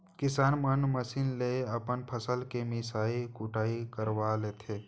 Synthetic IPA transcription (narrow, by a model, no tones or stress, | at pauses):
kɪsaːnmənməsinleəpənpʰəsəlkemɪsaːikʊʈaːikəɾʋaleːt̪ʰeː